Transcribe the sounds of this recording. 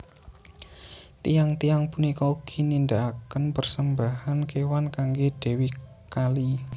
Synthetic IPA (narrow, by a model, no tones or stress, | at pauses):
t̪ijaŋt̪ijaŋpunikɔuɡ̥inind̪aʔakənpərsəmbahankewankaŋɡed̪̥e̤wi | kali